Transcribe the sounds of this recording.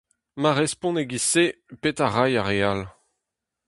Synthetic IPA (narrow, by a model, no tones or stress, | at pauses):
maʁɛspɔ̃neɡisepetaʁajaʁeal